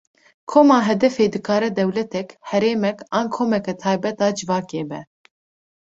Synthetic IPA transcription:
kʰoːmɑːɦɛd̪ɛfeːd̪ɨkʰɑːɾɛd̪ɛwlɛt̪ɛkhɛɾeːmɛkɑːnkʰoːmɛkɛt̪ʰɑːjbɛt̪ɑːd͡ʒɨvɑːkeːbɛ

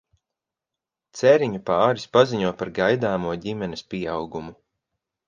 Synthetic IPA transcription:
t̪sɛɾiɲupaːɾispaziɲuɔpaɾɡajd̪aːmuɔɟʲimɛnespʲiɛawɡumu

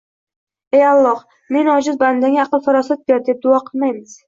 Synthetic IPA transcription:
ejɑlˠːɒh | me̞nɒd͡ʒɪzband̪aŋʲaːqɨlˠfɑɾɑsat̪̚beɾd̪ep̚d̪ʊɒqʰɨlˠmajmɪz̥

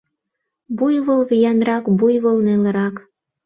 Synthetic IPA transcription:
bujβɤlβijɑnrɑkbujβɤ̆lnelə̆ɾɑk

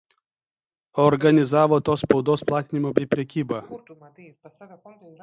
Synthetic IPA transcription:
ɔɾɡɐnʲɪzɑːʋoːt̪oːspɔʊd̪oːsplˠɑːt̪ʲɪnʲɪmoːbʲɛɪpʲɾʲɛkʲiːbɑː

